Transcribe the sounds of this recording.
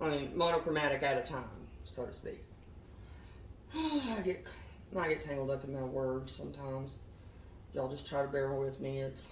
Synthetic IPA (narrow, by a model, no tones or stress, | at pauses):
ʔaɪmĩnmoʊnəkʰɹ̥əmæɾɨkɨɾʌv̥tʰãɪ̃msoʊɾɨspḭk̚ | ʌaɪɡɛt̚kʰ | oaɪɡɛtʰæ̃ɪ̃ŋɡl̩ˠdʌkɨ̃nmaɪwɜ˞dz̥sʌ̰̃mtʰãɪ̃mz̥ | jaɪlˠd͡ʒʌstʰɹ̥aɪɾəbɛɹ̩ˠwɪðmiɪts